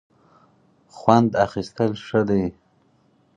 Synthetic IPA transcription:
xwand̪axist̪əlʂəd̪ej

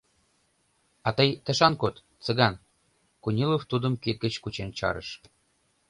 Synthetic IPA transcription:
ɑt̪əjt̪ə̆ʃɑnkot̪ | t͡sə̆ɣɑn | kunʲiloft̪ud̪ə̆mkit̪̚ɡət͡ɕkut͡ɕent͡ɕɑ̰ɾə̰ʃ

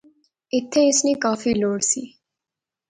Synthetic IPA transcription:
ɪt̪ʰːeːɪsneːkaːfiːloːɽsḭː

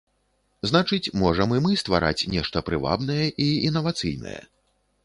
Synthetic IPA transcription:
znat͡ʂɨt͡sʲmɔʐɐmɨmɨst̪va̰ɾʔa̰t͡sʲnʲɛʂt̪ɐpɾɨva̰bnɐjɛʔiinːɐvat̪sɨ̰jnɐ̰jɛ̰

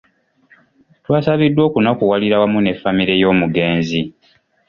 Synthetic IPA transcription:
twaːsaβidːwo̞ːkunakuwaliɾawamune̞famiɾe̞jo̞ːmuɡe̞ːnzi

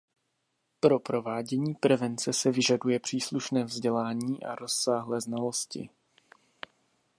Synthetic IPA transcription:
pɾo̞pɾo̞vaːɟɛɲiːpɾɛvɛnt͡sɛsɛvɪʒadujɛpr̥iːsluʃnɛːvzɟɛlaːɲiːʔa̰ɾo̞sːaːɦlɛːznalo̞scɪ̰

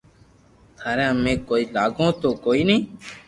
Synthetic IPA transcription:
t̪ʰaːɾãːmẽːkoːiːlaːɡõːt̪oːkoːiːnəĩː

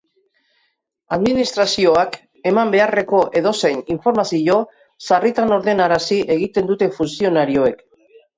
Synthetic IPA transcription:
aðminist̪ɾasio̞ak | e̞mambe̞are̞ko̞ʔe̞ðo̞se̞jniɱfo̞ɾmasiʝo̞ | sarit̪ano̞ɾðe̞naɾasiʔe̞ɣit̪e̞nd̪ut̪e̞funsio̞naɾio̞e̞k

